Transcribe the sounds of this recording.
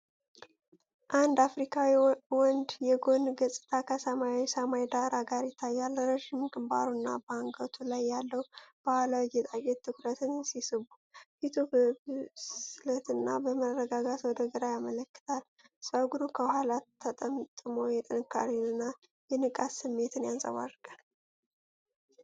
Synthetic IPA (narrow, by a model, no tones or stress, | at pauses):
ʔand̪afɾikʰawiwɔnd̪jɛɡo̞nɡəsʼt̪ʰakʰəsəmajawisəmajd̪aɾaɡaɾjɪt̪ʰːajːalːɾəʒimɡɨmba̰ɾunːa̰bəaŋɡət̪ʰulajːalːəwb̥ahalawjɛt̪ʼaɡɛt̪t̪ʰːɨkɾət̪ʰɨnsisɨβu | fit̪ʰubəβslət̪ɨnːabəmərəɡaɡat̪wɔd̪əɡɨɾajamələkːɨ̥t̪ʰal | səɡuɾukʰəhalat̪ʰːət̪ʼəmt̪ʼɨmojɛt̪ʼɨnɨkʰːa̰ɾinɨnːa | jɛnɨkʼasɨmːe̞t̪ʰɨnjansʼə̰βa̰rkʼal